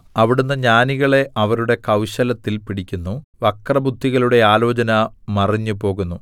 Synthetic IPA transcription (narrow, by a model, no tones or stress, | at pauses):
ɐʋiɽunːɐɲaːniɣɐɭe̞ʔɐʋɐɾuɽe̞kɐwɕɐlɐt̪ːilpiɽikʲːunːuʋɐkrɐbud̪ʱːiɣɐluɽe̞aːlo̞ːt͡ɕɐnɐmɐriɲːupo̞ːɣunːu